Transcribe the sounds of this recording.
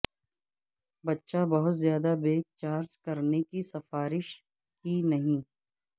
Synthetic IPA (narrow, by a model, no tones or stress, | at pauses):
bɐtːʃabɐɦʊt̪zjaːd̪abeːk̚t͡ʃaːɾd͡ʒkɐɾnekisɐfaːɾɪʃ | kinɐɦĩː